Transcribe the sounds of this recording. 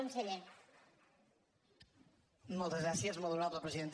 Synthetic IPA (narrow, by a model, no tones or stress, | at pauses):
onseʎe | mɔlˠt̪əzɣɾasjəzmoðˠuɾaðləpɾeziðent̪